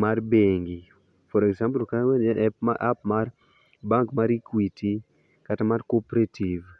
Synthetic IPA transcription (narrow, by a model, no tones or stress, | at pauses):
marbeŋɡi | fɔɾɛkzampulkawɛnɛʔɛpmaa̰p̚mar | baŋkmaɾikwiti | katamarkopɾativ